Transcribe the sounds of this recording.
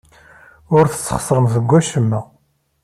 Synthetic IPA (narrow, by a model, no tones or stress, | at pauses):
ʊɾθə̥t͡sːə̥χsˤɾˤəmθəɡʷːæʃəmːæ